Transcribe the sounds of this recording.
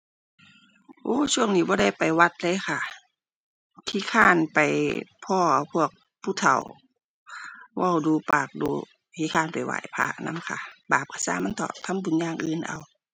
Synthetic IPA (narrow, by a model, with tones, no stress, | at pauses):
ʔoː˧˦t͡ɕʰu˧˥˨əŋniː˧˩bɔː˧˦ɾa˧˥˨jpa˨jwa˧t̪̚lɤː˧˥˨jxʰa˧˩ | t̪ʰi˧˨kʰaː˧˥˨npa˨˩jpʰɔː˧˩pʰu˧˩˨ək̚ | pʰuː˧˩t̪ʰa̰˨˩w | wa˧˩wduː˧paː˨˩k̚duː˧˦ | t̪ʰiː˧˦kʰaː˧˩˨npa˨jwa̰ː˧˨jpʰa̰˧˩ʔna̰˧˥˨mkʰa̰˧˩baː˨˩p̚kʰa˧˨sa̰ː˧˨ma˧˥˨nt̪ɔ̰ː˨˩p̚t̪ʰa˧˥˨mbu˨nɲaː˧˨ŋʔɯː˧˨nʔa̰˨w